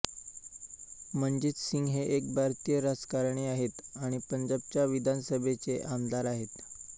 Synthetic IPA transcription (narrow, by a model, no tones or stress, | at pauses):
m̤əɳd͡ʑit̪siŋɡɦeʔek̚bʱaɾt̪ijəɾad͡zkaɾɳeaɦet̪aɽ̃ipəɲd͡ʑab̚t͡ɕjaʋid̪ʱansəbʱet͡seʔamd̪aɾaɦet̪